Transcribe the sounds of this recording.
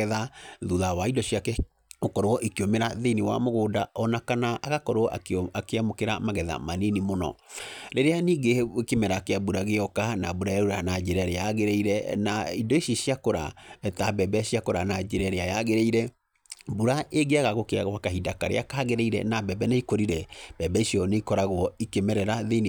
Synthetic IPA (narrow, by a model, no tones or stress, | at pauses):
ɛðaðuðawaidɔɕiakɛ | okɔɾoɔʔekeomeɾaðeiniwa̰moɣoːdaɔnakanaʔaɣakɔɾoɔʔaakeamokeɾamaɣɛða̰manenimonɔ̰ɾeɾeaniːɡekemɛɾakeabuɾaɣeɔkanabuɾaeɾuɾanad͡ʒeɾɛɾeaɣeɾeiɾɛnaidoiʃjiʃiakoɾa̰ɛtabɛbɛɕiakoɾanad͡ʒeɾɛɾeajaɣeɾeiɾɛ | buɾaʔeɡeaɣaɣokwakaɦidakaɾḛakaːɣeɾeiɾɛ̰nabɛbɛnaikoɾiɾɛbɛbɛisiɔneikɔɾaɣwɔikemɛɾɛɾaðen